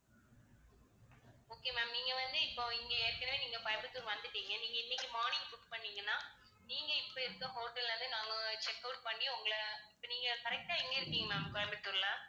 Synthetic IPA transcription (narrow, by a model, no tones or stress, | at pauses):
oːkeːmaːmniːŋɡɐʋɐnd̪ɯɪpːoːɪŋɡeeːɾkɐɳɐʋeːniːŋɡɐpɐpɯt̪ːuːɾʋɐnd̪ɯʈːiːŋɡɐniːŋɡɐɪnːɪkːimaːɳɪ̃ŋɡfʊʈpɐɳːiːŋɡɐnːãː | niːŋɡɐɪpːoɪɾɯkːʊ̃ɦoːʈːɐlːɐnd̪ɯnaːŋɡɐt͡ʃɛkːɐʊʈ̚pɐɳːɪjʊŋɡɐɭɐɪpːoːniːŋɡɐkɐɾɛk̚ʈaːɛŋɡɐɪɾɯkːiːŋɡɐmaːmkɔɾɐpɪt̪ːuːɾlɐ